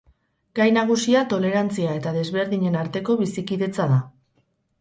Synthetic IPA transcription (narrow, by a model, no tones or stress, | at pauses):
ɡ̥ajnaɣusiat̪o̞le̞ɾant͡siae̞t̪aðe̞zβe̞ɾðiɲe̞naɾt̪e̞ko̞βisikiðe̞t͡saða